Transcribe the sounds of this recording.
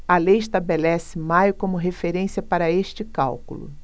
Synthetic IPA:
ɐlejɪʃt̪abelɛsɪmajʊkõmʊɦefeɾẽsiɐpaɾɐeʃt͡ʃɪka̰wkṵlʊ̰

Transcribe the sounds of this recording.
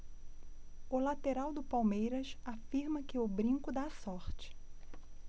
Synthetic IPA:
ʊlat̪eɾawd̪ʊpawmejɾɐʃafiɾmɐkɪʊbɾĩŋkʊd̪asɔɾt͡ʃɪ̥

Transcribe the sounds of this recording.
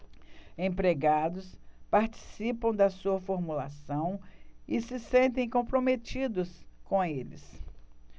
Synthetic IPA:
ẽpɾeɡad̪ʊspaɾt͡ʃi̥sipɐ̃w̃d̪ɐsuɐfoɾmula̰sɐ̃w̃ɪsɪsẽnt̪ẽj̃kõpɾomet͡ʃid̪ʊskõelɪ̰s

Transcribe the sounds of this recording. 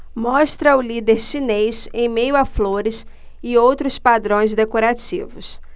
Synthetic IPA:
mɔst̪ɾɐʊlid̪eɾsinejsẽj̃mejʊafloɾɪs | ɪowt̪ɾʊspad̪ɾõj̃zd̪ekoɾat͡ʃḭvʊs

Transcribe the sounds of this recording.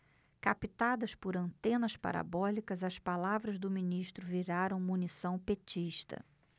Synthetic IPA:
kapit̪ad̪ɐspʊɾɐ̃nt̪ẽnɐspa̰ɾa̰bɔlikɐzɐspalavɾɐzd̪ʊmĩniʃt̪ɾʊviɾaɾɐ̃w̃munisɐ̃w̃pet͡ʃiʃt̪ɐ̰

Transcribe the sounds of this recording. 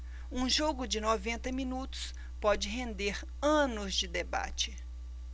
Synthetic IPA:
ũʒoɡʊd͡ʒɪnovẽnt̪ɐmĩnut̪ʊ̥s | pɔd͡ʒɪɦẽnd̪eɾ | ɐ̃nʊzd͡ʒɪd̪eba̰t͡ʃɪ

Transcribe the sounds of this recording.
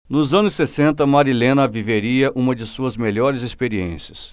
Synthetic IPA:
nʊzɐ̃nʊsːesẽnt̪ɐmaɾilẽnɐviveɾiɐʔũmɐd͡ʒɪsuɐzmeʎɔɾɪzespeɾiḛ̃siɐs

